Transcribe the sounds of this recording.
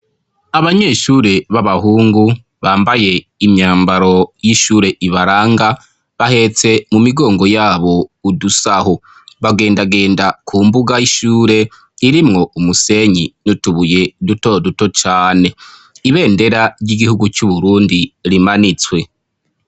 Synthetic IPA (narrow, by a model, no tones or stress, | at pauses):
aβaɲe̞ːʃuːɾe̞βaβahuːŋɡu | βaːmbaje̞ | imɲaːmbaɾo̞jiʃuːɾe̞ʔiβaɾaːŋɡa | βahe̞t͡se̞mumiɡo̞ːŋɡo̞jaːβo̞udusaho | βaɡe̞ːndaɡe̞ːndakʰuːmbuɡajiʃuːɾe̞ | iɾimŋo̞ʔumuse̞ɲinutuβuje̞duto̞duto̞t͡ʃaːne̞ | iβe̞ːnde̞ɾaɾɟiɡihuɡut͡ʃuβuɾuːndiɾimanit͡swe̞